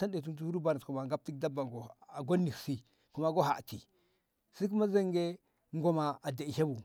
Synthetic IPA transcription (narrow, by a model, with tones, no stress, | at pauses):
sa˦nde˨t̬u˦n˦t̬u˦hɾu˦ba˨na˨ku˨ma˨ŋɡa˦p̚ti˦k̚da˦ba˨ŋɡo˨a˨ɡo˦nːi˨ksi˦ | ku˨ma˨ɡo˦ɦa˨ti˨ | si˦k̬u˦ma˦za˦ŋɡe˦ | ŋ˦ɡo˨ma˨a˨da˨i˨ha˦bu˨